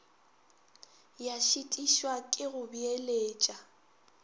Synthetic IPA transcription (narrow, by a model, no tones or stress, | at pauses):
jaʃitʼiʃwakʼɪɣʊbieleːt͡ʃʼa